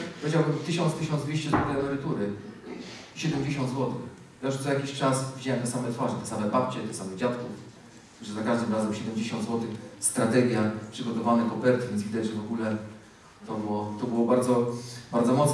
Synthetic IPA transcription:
pɔvʲed͡ʑawbɘmt̪ɘɕɔnt̪st̪ɘɕɔnzd̪vʲeɕt͡ɕɛzuɾɛamɛɾɨt̪uɾɘ | ɕɛd̪ɛmd͡ʑeɕɔnd̪zwɔt̪ɘx | jajuʂzajakʲiɕt͡ʂasvʲid͡ʑawɛmt̪ɛsamɛt̪faʐɛt̪ɛsamɛbap̚t͡ɕɛt̪ɛsamɛd͡ʑat̪kɔ | uʐɛzakaʐd̪ɘmɾazɛmɕɛd̪ɛmʲd͡ʑeɕɔnd̪zwɔt̪ɘxst̪ɾat̪ɛɡʲjapʂɘɡɔt̪ɔvanɛkɔpɛɾt̪vʲjɛnzvʲid̪ad͡ʑʐɛvɔɡulɛ | t̪ɔbɘwɔt̪ɔbɨwɔbaɾd̪zɔbaɾd̪zɔmɔt̪s

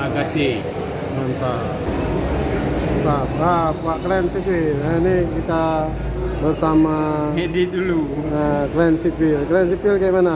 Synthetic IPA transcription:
aɡasi | mant̪a | t̪ap̚ap̚waʔklɛnsipilɛnikit̪a | bərsamaedit̪̚duluəklɛnsipilklɛnsipilkajʔmana

